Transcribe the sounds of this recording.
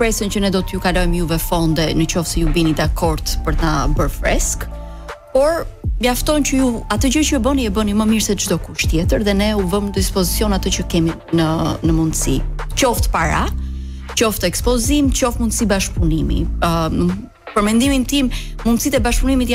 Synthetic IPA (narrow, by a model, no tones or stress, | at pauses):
pɾɛsənt͡ʃənɛd̪ɔt̪əjukalɔjmjuvɛfɔnd̪ɛnət͡ʃɔftsɛjubinid̪akʰɔɾt̪pəɾt̪abəɾfɾɛsk | pɔɾmjaft̪ɔjmt͡ʃəjuat̪əd͡ʒət͡ʃəbəniɛbəniməmiɾsɛt̪d͡ʒd̪ɔkuʃt̪jɛt̪əɾðɛnɛuvəmd̪ispɔzit͡sjɔnat̪əəkɛmi | nənəmund̪sḭt͡ʃɔft̪paɾa̰ | t͡ʃɔft̪ɛkspɔzimt͡ʃɔfmund̪sibaʃpunimḭ | pəɾmɛnd̪imint̪im | mund̪sit̪ɛbaʃpunimit̪ja